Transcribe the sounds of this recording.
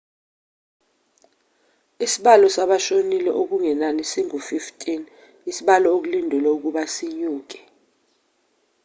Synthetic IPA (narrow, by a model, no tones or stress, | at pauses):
isiɓalɔsaɓaʃonilɛ̰ʔok̬uŋɛnanisiŋufiftʰʼin | isiɓalɔok̬ulindʱulɛuk̬uɓasiɲuːk̬ɛ̥